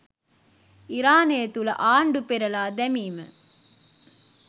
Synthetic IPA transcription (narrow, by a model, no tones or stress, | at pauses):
iɾaːneːt̪ulɐ̰ʔaːɳɖupeɾɐlaːd̪ɛmiːmɐ̰